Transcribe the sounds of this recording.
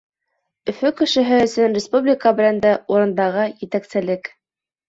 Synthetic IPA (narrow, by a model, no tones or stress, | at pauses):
ɵ̆fɵkɘ̆ʃɘ̆ɦɘɵ̆sɵnrʲɪspublʲikabɘ̆lænd̪æuɾɤ̆nd̪ɑʁɤjɘ̆t̪æksɘ̆lɘk